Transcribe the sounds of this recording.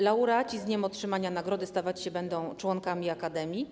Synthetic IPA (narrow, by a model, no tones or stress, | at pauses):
lauɾat͡ɕizɲɛmɔtʂɘmaɲanaɡɾɔd̪ɘst̪avat͡ɕɕɛbɛnd̪ɔ̃w̃t͡ʂwɔŋkamʲiakad̪ɛmʲji